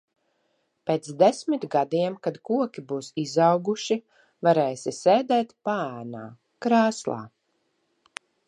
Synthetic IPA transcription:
peːt̪sd̪esmit̪ʲɡad̪iɛmkad̪kuɔkʲibuːsizawɡuʃi | vaɾeːsiseːd̪ɛːt̪paæːnaː | kɾaːslˠa̰ː

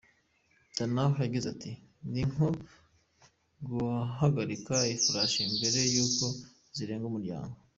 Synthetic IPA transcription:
danaɦjaɡizatʰi | niŋ̥o | ɡuɦaɡaɾikaifuɾaʃimbe̞ɾe̞juːko̞ | ziɾe̞ːŋɡumuɾɟa̰ːŋɡo

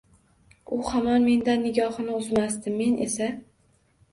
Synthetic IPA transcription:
ʊhamɒnme̞nd̪anːɪɡʲɒhɨnɪʊzmast̪ɪmːe̞nʔḛsa

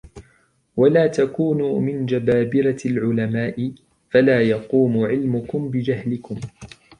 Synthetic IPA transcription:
walaːt̪akuːnuːmɪnd͡ʒabaːbɪɾalʕʊlamaːʔɪ | falaːjɑquːmʊʕɪlmʊkʊmbɪd͡ʒahlɪkʊm

